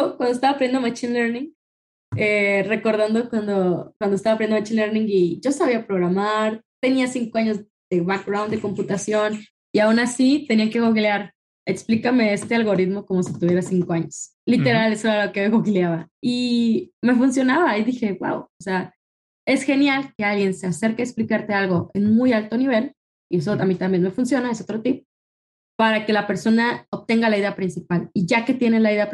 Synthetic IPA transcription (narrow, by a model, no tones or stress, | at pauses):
okwand̪oest̪aβapɾjend̪omat͡ʃinleɾnĩŋ | ere̞ko̞ɾð̞and̪o̞kwand̪okwand̪oest̪aβapɾjenomat͡ʃinleɾnĩŋɡiʝo̞saβiapɾo̞ɣ̞ɾamaɾt̪e̞niasiŋkoaɲo̞z | ð̥e̞βak̚ɡɾawnd̪e̞ko̞mput̪asjo̞n | iaunasit̪e̞niake̞ɣoɣileaɾ | eksplikame̞est̪e̞alɣo̞ɾit̪mo̞ko̞mo̞sit̪uβje̞ɾasiŋko̞aɲo̞s | lit̪e̞ɾalesoeɾalokeɣoɣiljaβaime̞funs̬jo̞naβaiðixe̞wa̰wosea | e̞sxe̞njalke̞alɣje̞nse̞ase̞ɾkeeksplikaɾt̪e̞alɣo̞ʔe̞nmujalt̪o̞niβ̞e̞l | ie̞s̬oamit̪ambje̞nme̞funsjo̞naeso̞t̪ɾot̪ip | paɾake̞lape̞ɾso̞naoβt̪e̞ŋɡalaiðe̞apɾinsipaliʝake̞t̪je̞ne̞laiðe̞a